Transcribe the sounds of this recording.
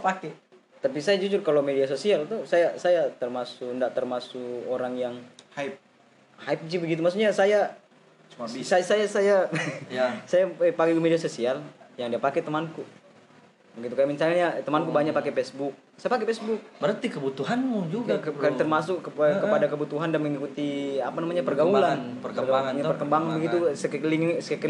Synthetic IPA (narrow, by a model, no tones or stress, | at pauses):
pakɛ | t̪ap̬isajad͡ʒud͡ʒʊrkalowmedias̬osialt̪usajasajat̪ərmasʊkndaʔt̪ərmasukoɾaŋjaŋhaip̚ | haɪp̚it͡ʃibəɡit̪umas̬uɲasaja | t͡ʃuaisasajasajaasajapakeumediasosialjaŋdiapakɛt̪əmanku | bəɡit̪ukajaminsalɲat̪əmankubaɲak̚pakepɛsbuk̚sajapakepɛsbʊk̚bəɾərt̪ikəbut̪uɦanmud͡ʒuɡakkat̪ərmasʊkːəkəpadakəbut̪uɦandanməŋikut̪iapanamaɲapərɡaulanpərəkaɲapərkəmbaŋanbəɡiusəkliŋsəkəkəl